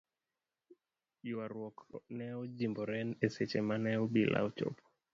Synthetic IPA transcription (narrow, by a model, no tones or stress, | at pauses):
juwaɾwɔkʰɔ̰nɛɔd͡ʒimbɔɾɛnɛsɛt͡ʃɛmanɛɔbila̰ut͡ʃɔ̰pɔ̥